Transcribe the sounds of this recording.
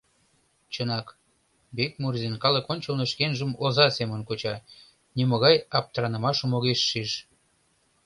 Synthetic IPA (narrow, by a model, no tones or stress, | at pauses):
t͡ɕənɑk | bet̪̚murzinkɑləkonʲt͡ɕəlnoʃkenʒəmozɑsemə̆nkot͡ɕɑ | niməɣɑjɑp̚t̪rɑnə̆mɑʃə̆moɣeʃːiʃ